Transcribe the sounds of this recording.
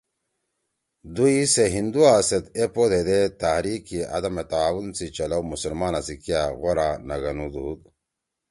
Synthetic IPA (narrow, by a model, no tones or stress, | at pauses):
d̪uiseɦind̪uaːset̪epod̪ed̪et̪ahɾikiɐ̰d̪ɐmet̪aːwunsit͡ɕɐlawmusulmaːnasikijaɣoɾanɐɡɐnud̪uːd̪